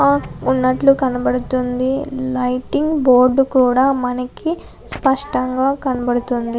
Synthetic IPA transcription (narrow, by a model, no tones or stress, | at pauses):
unːɐʈlukɐnɐbɐɽut̪und̪ilɐjʈiŋɡboːɾɖkuːɽaːmɐnɐki | spɐʂʈɐŋɡaːkɐnɐbɐɽut̪und̪i